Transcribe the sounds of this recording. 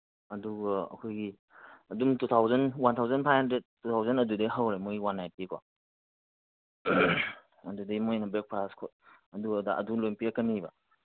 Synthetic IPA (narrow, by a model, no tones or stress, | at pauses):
ɐduɡaɐ̰kʰojɡi | ɐdumtut̪ʰawzɐnwant̪ʰawzɐnpʰajandetutʰawzɐnɐdudajɦawɾemɔwanːajtikʰa | ɐdudajmojnɐbek̚pʰɾaskʰo | ɐduɐda̰ʔɐ̰dulojnpijakəniba